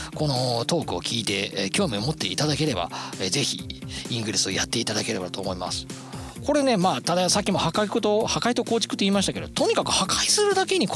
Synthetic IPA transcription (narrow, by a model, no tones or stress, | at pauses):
ko̞no̞t̪o̞ːkɯ̟o̞̰kʲiːt̪e̞kʲo̞ːmʲiomo̞t̪ːe̞̰it̪ad̪ake̞ɾe̞ba̰eze̞çḭĩŋɡɯ̟ɾesɨo̞ja̰t̪ːe̞it̪ad̪ake̞ɾe̞bat̪o̞ːmo̞ima̰sɨ̥ | ko̞ɾe̞ne̞maːt̪ad̪asakʲːimo̞hakaikot̪ohakait̪o̞koːt͡ɕi̥kɯ̟t̪ːeiːmaɕi̥t̪ake̞̰d̪ot̪o̞ɲ̟ikakɯ̟hakaisɨɾɯ̟d̪ake̞ɲ̟ik